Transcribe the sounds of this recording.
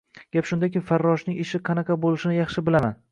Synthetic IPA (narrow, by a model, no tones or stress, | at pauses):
ɡ̥ʲapʃʊnd̪akʲɪfaɾːɒʃnɪŋɪʃɪqʰɑnɑqʰɑbolˠɪʃɪnɪjɑχʃɪbɪlaman